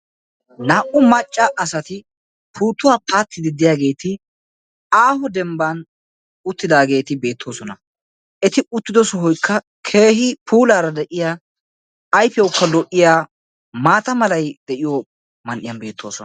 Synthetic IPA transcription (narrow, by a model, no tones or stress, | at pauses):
naːʔʊmɐt͡ʃʼːaʔɐsɐt̪ɪ | pʰuːt̪ːʊwaːpaːt̪ːɪd̪ɪd̪ɪjaːɡe̞ːt̪ɪ | aːhɔd̪ɛmban | ʊt̪ːɪd̪aːɡe̞ːt̪ɪbe̞ːt̪ʰːo̞ːsɔnɐ | ʔɛt̪ɪʊt̪ːɪd̪ɔsɔɦɔjkʰːɐ | kʰe̞ːɦɪpʰuːlaːɾɐd̪ɛʔɪjaː | jfɛwʊkːɐlɔʔːɪjaː | maːt̪ɐmɐlɐjd̪̥ɛʔɪjo | mɐnʔɪjɐnbe̞ːt̪ʰːo̞ːsɔn